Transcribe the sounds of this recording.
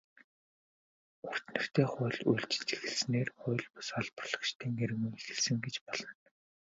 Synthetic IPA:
ʊr̥t̪nɵ̆r̥t̪ʰeːχʊ̟ːɮujɮt͡ɕɪ̥̆ɮt͡ɕe̥xɘ̆ɮsneːrχʊ̟ːɮpʊ̥saɮpɔrɮ̥ɞ̆kʃt̪ʰiːŋeɾɘ̆ɣuŋexɘ̆ɮsɘ̆ŋɡet͡ɕpɔɮ̥ɞ̆n

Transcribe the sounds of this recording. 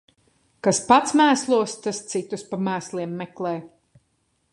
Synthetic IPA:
kaspat̪smæːslˠuɔst̪ast̪sit̪uspamæːslˠiɛmːɛklˠɛːj

